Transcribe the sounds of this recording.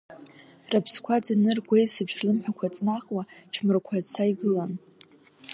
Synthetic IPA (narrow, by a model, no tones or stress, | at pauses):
rapʰskʷʰad͡zanɨrɡʷejsɨʈ͡ʂʰrlɨmħʷᶣakʷʰat͡sʼnaχwaʈ͡ʂʰmɨrkʷʰat͡sʰaiɡɨlan